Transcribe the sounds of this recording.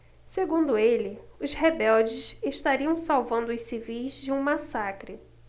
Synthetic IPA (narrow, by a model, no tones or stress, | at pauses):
seɡũnd̪ʊelɪʊshebɛwd͡ʒɪseʃt̪aɾiɐ̃w̃sawvɐ̃nd̪ʊʊssivijzd͡ʒɪũmasakɾɪ